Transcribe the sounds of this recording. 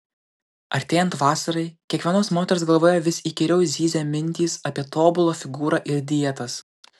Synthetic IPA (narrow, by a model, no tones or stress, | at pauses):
ɐɾʲt̪ʲeːjɛnt̪ʋɑːsɐɾɐɪkʲiɛkʋʲiɛnoːsmoːt̪ʲɛɾʲɪsɡɐlˠʋoːjɛːʋʲɪsʲiːkʲɪɾʲɛʊzʲiːzʲɛmʲɪnʲt̪ʲiːsɐpʲiɛt̪oːbʊlˠoːfʲɪɡuːɾɑːʔɪɾʲd̪ʲiɛt̪ɐs